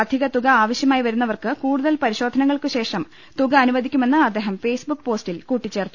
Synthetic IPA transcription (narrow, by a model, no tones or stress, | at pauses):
ɐd̪ʱiɣɐt̪uɣɐaːʋɐɕjɐmaːjiʋɐɾunːɐʋɐrkɨkuːɽuðɐlpɐɾiɕo̞ːd̪ʱɐnɐŋːɐɭkɨɕe̞ːʂɐm | t̪uɣɐɐnuʋɐd̪ʱikʲːume̞nːɨɐd̪ːeːɦɐmfe̞ːsbukːpo̞ːsʈilkuːʈːit͡ɕːe̞ːrt̪ːu